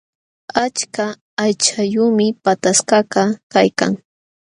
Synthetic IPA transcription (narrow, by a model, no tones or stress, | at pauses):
at͡ʃkaː | jt͡ʃajuːmɪpat̪askɑkɑkajka̰ŋ